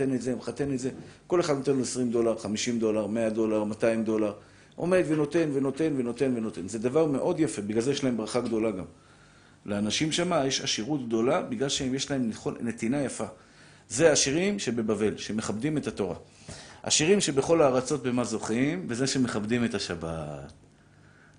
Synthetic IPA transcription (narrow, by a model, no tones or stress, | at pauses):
enetzemχat̪e̞netze̞ko̞le̞χad̪no̞t̪e̞nloesʁimdo̞laʁχamiʃimd̪o̞laʁme̞ad̪o̞laʁmataimd̪o̞laʁ | ʔo̞̰me̞d̪veno̞t̪e̞nveno̞t̪e̞nve̞no̞t̪e̞nveno̞t̪e̞nze̞d̪avaʁme̞ʔo̞d̪jafe̞biɡlalzejeʃlae̞mbʁaχaɡd̪o̞laɡam | leanaʃimʃamajeʃaʃiʁut̪ɡ̚d̪o̞labiɡlalʃeemjeʃlae̞mχone̞t̪inajafa | ze̞aʃiʁimʃe̞be̞bave̞lʃe̞meχabd̪ime̞tato̞ʁa̰ | a̰ʃiʁimʃe̞be̞χo̞laːʁat͡so̞t̪̚be̞mazo̞χimve̞zeʃeme̞χabdimetaʃabat̪